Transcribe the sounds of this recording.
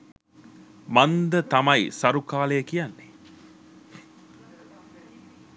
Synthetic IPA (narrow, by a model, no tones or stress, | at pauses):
mand̪ət̪amajsaɾukaːlejəkijanːe